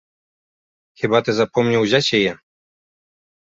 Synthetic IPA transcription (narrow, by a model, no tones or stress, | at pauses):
xɘbat̪ɛzapɔmɲawʑaɕɛjɛ